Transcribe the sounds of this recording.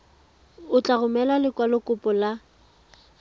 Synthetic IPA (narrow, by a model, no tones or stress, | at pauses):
ʊt͡ɬʼaɣʊmɛlalɪkʼwalɔkʼʊpʼɔla